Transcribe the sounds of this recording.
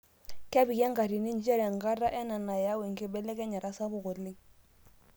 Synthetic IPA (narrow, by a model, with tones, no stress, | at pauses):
kɛ˦bi˨kɛ˦ŋka˨ɾi˨ni˦n˦t͡ʃɛ˦ɾɛ˨ŋ˨ɡa˦ɾa˦ʔɛ˦na˨na˨ja˦wɛ˨ŋ̩˨kɪ˦bɛ˦lɛ˦kɛ˦ɲa˨ɾa˦sa˦bʊ˨kɔ˨lɪ˦